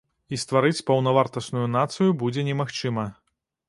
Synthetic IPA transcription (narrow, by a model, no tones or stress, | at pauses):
ist̪vaɾɨt͡sʲpɐwnɐvart̪ɐsnujunat̪sɨjubud͡zʲɛnʲɛmaxt͡ʂɨmɐ